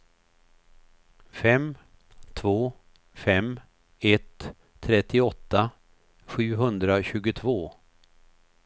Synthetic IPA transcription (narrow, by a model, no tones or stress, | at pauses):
fɛm | t̪ʰvoː | fɛm | ɛt̪ʰː | ɾɛt̪ːɪɔt̪ːa | ɧʉ̟ːɦɵnd̪ɾaɕʉ̟ːɡʊt̪ʰvoː